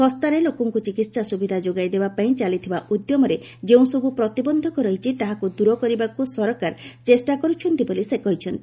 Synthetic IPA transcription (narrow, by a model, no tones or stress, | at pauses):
sɔst̪aɾelokɔŋkut͡ʃikit̪sasubid̪ʱad͡ʒoɡajd̪ebapaĩt͡ʃalit̪ʰibaʔud̪jɔmɔɾe | d͡ʒeũsɔbupɾɔt̪ibɔnd̪ʱɔkɔɾɔɦit͡ʃʰit̪aɦakud̪uɾɔkɔɾibakusɔɾɔkaɾt͡ʃesʈakɔɾut͡ʃʰɔnt̪ibɔlisekɔɦit͡ʃʰɔnt̪i